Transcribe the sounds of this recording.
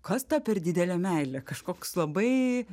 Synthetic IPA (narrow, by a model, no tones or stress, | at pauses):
kɐst̪ɐpʲɛrd̪ʲɪd̪ʲɛlʲæmʲɛɪlʲɛkɐʃkoːkslˠɐbɐɪ